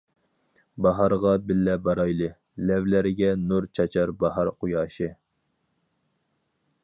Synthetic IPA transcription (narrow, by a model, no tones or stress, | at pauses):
bɑɦɑɾʁɑbɪlːɛbɑɾɑjlˠɨ | lɛvlæɾɪɡʲɛnuɾt͡ʃʰɑt͡ʃʰɑɾbɑɦɑɾqʊjɑːʃɨ